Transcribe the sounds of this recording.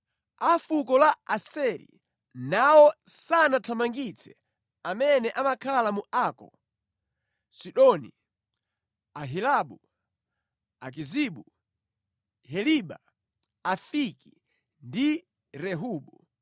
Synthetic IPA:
afukɔlaasɛɾḭ | nawɔsanatʰamaŋɡit͡sʰɛ̥ | amɛnɛʔamakʰalamuakɔ̰ | siɗɔnḭ | aɦilaɓu | a̰k̬iziɓu | hɛliɓa | afiki̥ | ndi | ɾɛɦuːɓu

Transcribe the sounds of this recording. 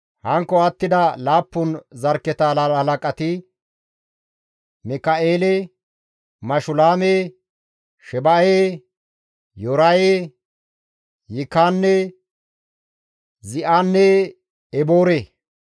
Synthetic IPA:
hɐŋkːɔɐt̪ːɪd̪ɐlaːpːʊnzɐɾkːɛt̪alahɐlɐkʼɐt̪ɪ | mɪkɐʔeːle | mɐʃʊlaːme | ʃɛbɐje | jɔɾaje | jɪkaːnːɛ | zɪʔaːnːɛ | ɛboːɾeː

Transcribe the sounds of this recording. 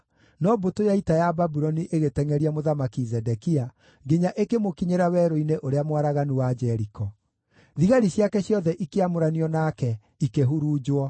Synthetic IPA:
nɔbotojaitajababuɾɔniʔeɣetɛŋɛɾiamoðamakizɛdɛkia | ɡeɲaʔekemokiɲeɾawɛɾoineʔoɾeamwaɾaɣanuwad͡ʒɛɾikɔ | ðiɣaɾiɕjakɛɕjɔðɛʔikeamoɾaniɔnakɛ | ikeɦuɾuːd͡ʒwɔ

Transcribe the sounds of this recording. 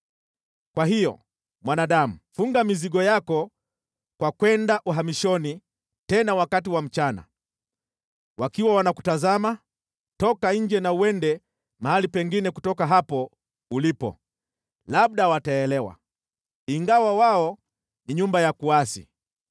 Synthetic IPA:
kwaɦijɔ̰ | mwanaɗamufuŋɡamiziɠɔjakɔ | kwakwɛndaʔuɦamiʃɔni | tɛnawakat̬iwam̩t͡ʃana̰ | wakiwawanaku̥tazama | tɔkaɲ̩d͡ʒɛnauwɛndɛ | mahalipɛŋɡinɛkutɔkaɦapɔ | ulipɔ̰ | laɓ̚ɗawataɛlɛwa̰ | iŋɡawawaɔ | niɲumbajakuasḭ

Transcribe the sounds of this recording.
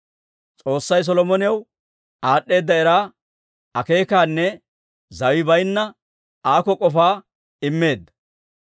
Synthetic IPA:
t͡sʼo̞ːsːɐjs̬ɔlɔmɔnɪjɐw | aːɗːe̞ːd̪ːɐɛɾaː | ɐke̞ːkaːnːɛ | zɐwɪbɐjnːɐ | aːkɔkʼɔfaː | ɪmːe̞ːd̪ːɐ̥

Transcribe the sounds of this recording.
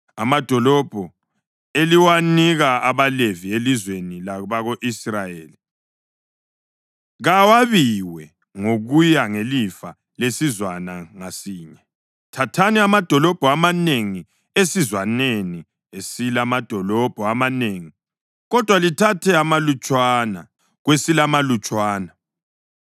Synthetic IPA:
amad̥ʱɔlɔb̥ʱɔ | eliwaniɣaaβalevielizwenilaβaɣoʔisrajeːli | ɣawaβiwɛ | ŋoɣujaŋelifa | lesizwanaŋasiːɲɛ | tʰatʰaniamad̥ʱɔlɔb̥ʱɔamaneŋi | esizwaneni | esilamad̥ʱɔlɔb̥ʱɔamaneːŋi | ɣɔd̥ʱwalitʰatʰɛamalut͡ʃʼwana̰ | ɣwesilamalut͡ʃʼwaːna

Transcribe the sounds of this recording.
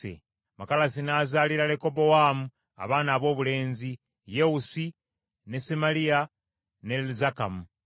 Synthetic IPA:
ḛ | makalasinaːzaːliɾaleko̞bo̞waːmu | a̰βaːnaːβo̞ːβule̞ːnzi | jeusi | ne̞simalija | ne̞lzakamu

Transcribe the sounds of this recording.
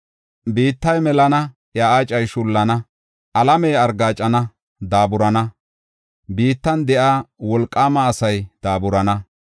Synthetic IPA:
biːt̪ːɐjmɛlɐnɐ | jaːaːt͡ʃʼɐjʃʊlːɐnɐ | ɐlɐmɛjɐɾɡaːt͡ʃʼːɐnɐ | d̪aːbʊɾɐnɐ | biːt̪ːɐnd̪ɛʔaːwɔlkʼːaːmɐːsɐjd̪̥aːbʊɾɐnɐ

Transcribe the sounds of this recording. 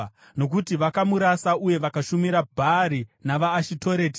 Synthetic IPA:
no̞k̬utiʋakamuɾasaʔuje̞ʋakaʃumiɾabʱaɾinaʋaːʃitʰo̞ɾe̞ːti̥

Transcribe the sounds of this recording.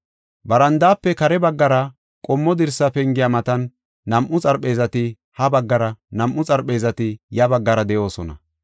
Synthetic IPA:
bɐɾɐnd̪aːpːɛkɐɾɛbɐɡːɐɾɐ | kʼɔmːɔd̪ɪɾsːɐpɛŋɡɪjɐmɐt̪ɐnː | ɐmʔʊt͡sʼɐɾpe̞ːzɐt̪ɪ | hɐbɐɡːɐɾɐnɐmʔʊt͡sʼɐɾpʼːe̞ːzɐt̪ɪjɐbɐɡːɐɾɐd̪ɛʔo̞ːsɔnɐ̰

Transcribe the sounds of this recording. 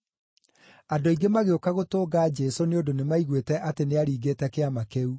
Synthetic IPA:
adoiɡemaɣeokaɣotoːɡaːd͡ʒɛsoneondonemaiɣwetɛʔateneaɾiːɡeːtɛkeamakeu

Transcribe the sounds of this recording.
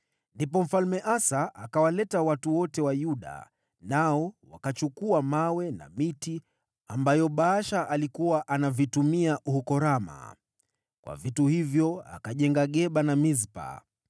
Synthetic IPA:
ndip̬ɔm̩falmɛʔasaʔakawalɛtawatuwɔtɛwajuɗa̰ | naɔwa̰kat͡ʃukuamawɛna̰miti | ambajɔɓaʃaʔalikuwaʔanavitumiaʔuhukɔɾama̰ | kwʔa̰vituhivjɔa̰kaʄɛŋɡaɠɛɓanamizpa̰

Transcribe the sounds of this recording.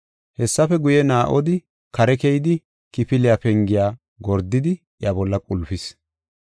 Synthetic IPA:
hɛsːɐfɛɡʊjɛnaːʔɔd̪ɪ | kɐɾɛkɛjɪd̪ɪ | kɪpɪlɪjapɛŋɡɪjaː | ɡɔɾd̪ːɪd̪ɪ | ʔjɐbɔlːɐkʼʊlfɪs

